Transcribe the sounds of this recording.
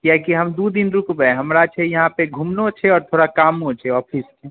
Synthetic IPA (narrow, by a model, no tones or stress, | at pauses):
kjakiɦɐmd̪ud̪inɾʊkbɛɦɐmɾat͡ʃʰejɐɦãpeɡʱumnot͡ʃʰeɔːɾt̪ʰoːɽakaːmɦõt͡ʃʰeɔːpʰist͡ʃʰɛ